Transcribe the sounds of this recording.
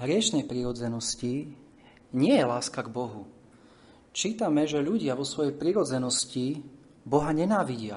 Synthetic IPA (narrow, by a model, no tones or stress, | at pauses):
ɦɾɪɛʃnɛjpɾiɾɔd͡zɛnɔsci | ɲɪɛjɛlaːskaɡbɔɦu | t͡ʃiːt̪amɛʒɛʎuɟɪaʋɔsʋɔjɛjpɾiɾɔd͡zɛnɔsci | bɔɦaɲɛnaːʋiɟɪa̰